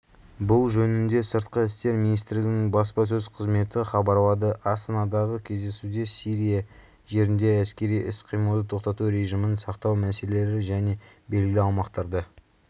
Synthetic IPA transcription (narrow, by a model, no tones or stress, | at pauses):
bʊlˠʒɵnɪnd̪e̞səɾt̪qəɪst̪e̞ɾminijst̪ɪɾlɪɡʲɪnɪŋbɑspɑs̬ɵzqʰəzme̞t̪ɪχɑbɑɾlˠɑd̪əʔɑst̪ɑnɑd̪ɑʁəkʲʰe̞zd̪e̞sud̪e̞siɾija | ʒe̞ɾɪnd̪e̞æskʲe̞ɾijɪsqʰijməlˠd̪ət̪ʰo̞qt̪ɑt̪uɾe̞ʒijmənsɑqt̪ɑwmæse̞lele̞ɾɪʒæne̞be̞lɡʲɪlɪɑwmɑqt̪ɑɾd̪ə